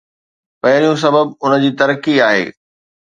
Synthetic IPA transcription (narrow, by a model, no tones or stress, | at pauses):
pɐɦɪɾijũs̬ɐbəbʊnə̆d͡ʑiːt̪ɐɾəkiaːɦḛː